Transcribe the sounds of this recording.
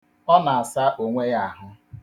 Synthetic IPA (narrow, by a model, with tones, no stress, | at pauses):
ɔ˦na˨a˨sa˦ʔo˨ŋʷe˦ja˦˨ɦʊ˦